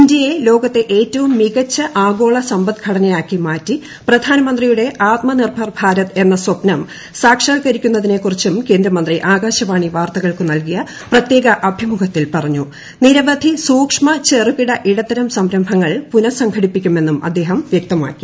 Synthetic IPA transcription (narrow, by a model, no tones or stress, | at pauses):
indjɐje̞lo̞ːɡɐt̪ːe̞ʔeːtːɐʋumːiɣɐt͡ɕːɐʔaːɡo̞ːɭɐsɐmbɐt̪ɡʰʱɐɽɐnɐjaːkːimaːtːi | prɐd̪ʱaːnɐmɐnd̪rijuɽe̞ʔaːt̪̚mɐnirbʱɐrbʱaːɾɐt̪e̞nːɐswɐpnɐm | saːkʂaːkɐɾikʲːunːɐðine̞kurit͡ɕːumke̞ːnd̪ɾɐmɐnd̪riʔaːɡaːɕɐʋaːɳiʋaːrt̪ɐɣɐɭkɨnɐlkijɐ | prɐt̪je̞ːɣɐʔɐbʱimukʰɐt̪ːilpɐrɐɲːu | niɾɐʋɐd̪ʱisuːkʂmɐt͡ɕerupiɽɐʔiɽɐt̪ːɐɾɐmsɐmɾɐmbʱɐŋːɐɭpunɐsɐŋɡʱɐɽipːikʲːume̞nːumɐ̰d̪ːe̞ːɦɐmʋjɐk̚t̪ɐma̰ːkːi